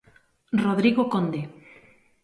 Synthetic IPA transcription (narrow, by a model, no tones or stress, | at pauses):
roðɾiɣokond̪e